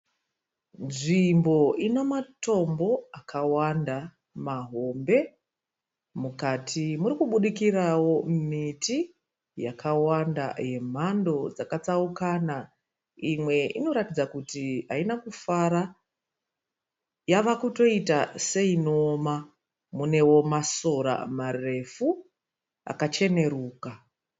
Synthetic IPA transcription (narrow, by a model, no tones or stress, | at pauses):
nʐimbo̞inematʰo̞mbo̞akʰawanda | maɦo̞mbe̞ | mukatʰimuɾikuɓuɗikiɾawo̞miti | jakʰawanda̰je̞m̤ando̞d͡zakat͡saukana | imwe̞ḭno̞ɾatid͡zakutiɦainakufaɾa | jaʋakuto̞itase̞ino̞ːma | mune̞wo̞maso̞ɾa̰mare̞fu | a̰kat͡ʃe̞ne̞ruːka